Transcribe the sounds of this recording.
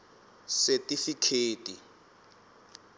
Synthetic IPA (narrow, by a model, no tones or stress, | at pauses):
sɛtʼifikʰeːtʼi